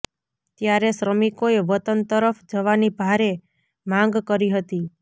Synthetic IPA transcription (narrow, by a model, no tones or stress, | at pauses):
t̪jaɾesɾəmikoeʋət̪ənt̪əɾəfd͡ʒəʋanibʱaɾe | mãŋ̆ɡkəɾiɦət̪i